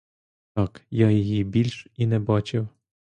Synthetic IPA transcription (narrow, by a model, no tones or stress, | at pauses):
t̪ɑkjajijibʲilʲʃinɛbɑt͡ʃɪw